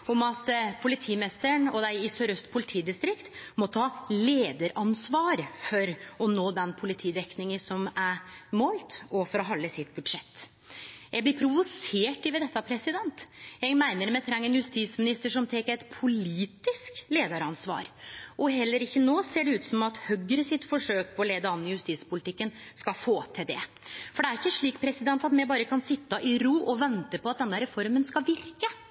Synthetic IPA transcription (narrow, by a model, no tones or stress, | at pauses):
ɔmɑt̪pʰʊlɪt̪ʰiːmɪnɪst̪əɳɔd̪æɪɪsøɾœst̪pʰʊlɪt̪ʰiːd̪ɪst̪ɾɪkt̪mɔt̪ʰɑːleːd̪əɾɑnsʋɑːɾfɔɾɔnoːd̪ɛnpʰʊlɪt̪ʰiːd̪ɛknɪŋəsɔmæɾmoːlt̪ɔfɔɾɔɦɑlːəsɪt̪bʉd̪ʂɛt̪ː | jæɡblɪpʰɾʊʋʊseːʈɪʋɛd̪ɛt̪ːɑpʰɾɛsɪd̪ɛnt̪jæɡmæɪnəɾmɛt̪ʰɾɛŋːəɛnjʉst̪iːsmɪnɪst̪əʂɔmt̪ʰeːkːəɾɛt̪pʰʊliːt̪ɪskleːd̪ɑɾɑnsʋɑ̰ːɾʔɔɦɛlːəɾɪçːənoːseːɖɛʉːt̪sɔmɑt̪hœɡɾəsɪt̪fɔʂøːk̚pʰɔɔleːd̪əɑnːəjʉst̪iːspʊlɪt̪ɪkːənskɑfoːt̪ʰɪld̪ɛ̰ | fɔɖɛæɾɪçːəʂɭiːkpʰɾɛsɪd̪ɛnt̪ɑt̪mɛbɑːɾəkɑnsɪt̪ːəʔɪɾuːʔɔʋɛnt̪əpɔɑt̪̚d̪ɛnːəɾɛfɔɾmənskɑʋɪɾkə